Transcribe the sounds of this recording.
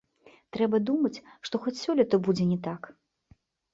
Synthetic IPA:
t̪ɾɛbɐd̪umɐt͡sʲʂt̪ɔxɔt͡sʲsʲɔlʲit̪ɐbud͡zʲɛnʲɛt̪ak

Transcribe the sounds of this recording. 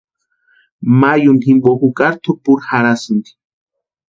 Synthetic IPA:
majunhimbokukaɾt̪ʰupuɾhaɾasɨnd̪i̥

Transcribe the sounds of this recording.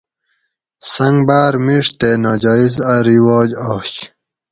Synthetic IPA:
sɐŋɡbaːɾmiʂt̪enaːd͡ʑɑːizɐɾiwɑːd͡ʑɑːɕ

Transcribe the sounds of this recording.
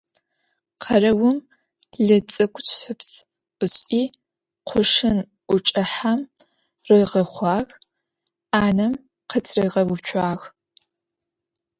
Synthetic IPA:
qʰɐrɐwʊm | ɮɨt͡sʼɨkʷʼt͡ʃʰɨps | ɨɕʼʔiː | qʷʰʊʂɨnʷ | ʊt͡ʃʼɨħam | rɨʁɐχʷɑːɣ | aːnɐm | qʰət͡sʰʼrɨʁɐwʊpt͡ʃʷʰaːɣ

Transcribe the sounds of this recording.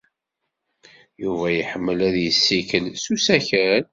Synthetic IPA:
juvæjəħəmːəlæðjəsːikəlsusæçæn

